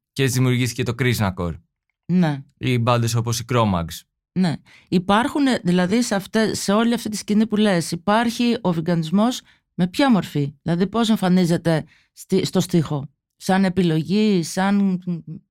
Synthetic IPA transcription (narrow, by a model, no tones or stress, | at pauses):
cezðimiuɾʝiθice̞t̪o̞kɾiznɐko̞̰ɾ | ne̞ibɐnd̪eso̞po̞sikɾo̞mɐ̰ks | ne̞ | ipɐɾxuneðilɐðisɐft̪eːe̞o̞liɐft̪it̪i̥scinipule̞sipɐɾçiʔo̞viɡɐnizmo̞z | me̞pçɐmo̞ɾfiðilɐðipo̞s̬e̞ɱfɐnize̞t̪e̞ | st̪ist̪o̞st̪ixo̞ | sɐne̞pilo̞ʝisɐn